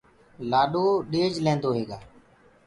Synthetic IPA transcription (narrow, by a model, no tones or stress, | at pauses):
laːɗoːɗeːd͡ʒlẽːnd̪oːɦeːɡaː